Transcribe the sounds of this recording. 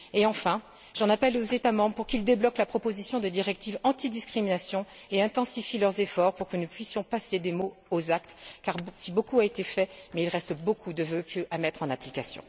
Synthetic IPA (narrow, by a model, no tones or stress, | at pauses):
eɑ̃fɛ̃ | ʒɑ̃napɛlozet̪amɑ̃bʁəpuʁkild̪eblɔklapχɔpozisjɔ̃d̪əd̪iʁɛk̚t̪ivɑ̃t̪id̪iskχiminasjɔ̃eɛ̃t̪ɑ̃sifilœʁzefɔʁpuʁkənəpɥisjɔ̃pased̪emoozakt̪kaʁsibokuaet̪efɛmɛilʁɛst̪əbokʰud̪əvøpjøʔamɛt̪χɑ̃naplikasjɔ̰̃